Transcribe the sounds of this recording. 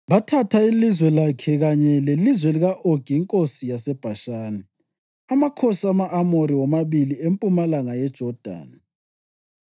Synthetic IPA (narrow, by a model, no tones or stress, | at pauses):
βatʰatʰailizwɛlakʰɛɣaɲɛlelizwɛliɣaʔoɡ̥ʱiːŋkʼosijasɛb̥ʱaʃaːnɛ | amakʰosamaʔːmoɾiwɔmaβiliempʼumalaŋajɛd̥ʒ̥ʱɔd̥ʱa̰ːni